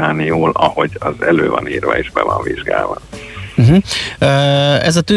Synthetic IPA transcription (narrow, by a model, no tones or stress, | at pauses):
aːnijoːlɒho̞ɟɒzɛløːvɒniːrvɒeːʒbɛvɒɱviʒɡaːlvɒm̩ɦ̩øːɛzɒt̪y